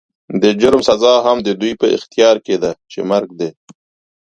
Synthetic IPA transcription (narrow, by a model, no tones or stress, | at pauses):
d̪əd͡ʒʊɾmsazɑɦamd̪əd̪ujpəɪ̰xt̪jɑɾked̪at͡ʃemaɾɡ̚d̪e